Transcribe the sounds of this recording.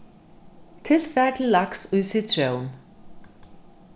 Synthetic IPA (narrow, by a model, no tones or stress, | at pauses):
t̪ʰɪlfɛkllaksusit̪ʰɾ̥jown